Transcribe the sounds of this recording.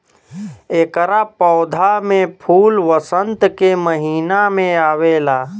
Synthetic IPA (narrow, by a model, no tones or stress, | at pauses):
eːkəɾapɔːd̪ʱamẽpʰuːlʋəsə̃nt̪keməɦiːnamẽaːʋeːlaː